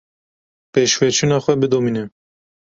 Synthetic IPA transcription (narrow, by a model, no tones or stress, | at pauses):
peʃwɛt͡ʃʰunɑːxʷɛbɨd̪omiːnɛ